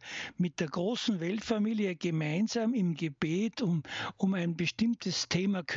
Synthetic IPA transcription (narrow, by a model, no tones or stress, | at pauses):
mɪt̚d̥eːɐɡ̥ʁoːsn̩vɛltfamiːljəɡ̥əmaɪnzaːmɪmɡəb̥eːtʰʊʊmæɪnbəʃtɪmtʰəstʰeːmakʰ